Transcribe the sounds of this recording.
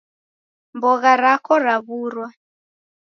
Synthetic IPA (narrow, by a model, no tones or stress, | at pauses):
mbɔɣaɾakɔɾaβuːrwa